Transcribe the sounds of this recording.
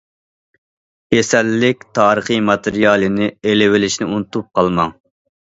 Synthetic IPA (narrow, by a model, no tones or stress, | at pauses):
jesɛlːɪkʲt̪ʰɑːɾəχɨmɑt̪ʰɨɾijɑːlˠɨnɪelɪwɪlɪʃnɪunt̪up̚qʰɑlˠmɑŋ